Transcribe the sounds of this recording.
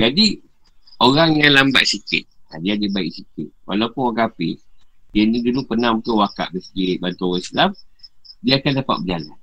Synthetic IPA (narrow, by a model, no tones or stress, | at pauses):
d͡ʒadi | oɾaŋjalamba̰ʔsikɪ̰t̪̚adiadibaɪksikɪt̪̚wa̰laupʊnokapɪ̰dianidulupənãmut̪uwaka̰ʔbəsəɡibant̪owaslamdiaakandapa̰t̪̚bəd͡ʒala̰n